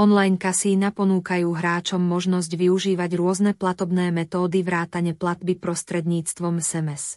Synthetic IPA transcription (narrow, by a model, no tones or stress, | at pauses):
ɔnlajnkasiːnapɔnuːkajuːɦɾaːt͡ʃɔmːɔʒnɔzɟʋiuʒiːʋaɟɾʊɔznɛplat̪ɔbnɛːmɛt̪ɔːd̪iʋɾaːt̪aɲɛplad̪bipɾɔst̪ɾɛd̪ɲiːt͡st̪ʋɔmɛsɛmɛs